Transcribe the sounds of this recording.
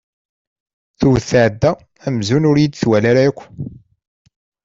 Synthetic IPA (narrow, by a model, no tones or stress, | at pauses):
θuwθːʕəd̪ːæ | æmzunʊɾjid̪θwælaɾaækʷː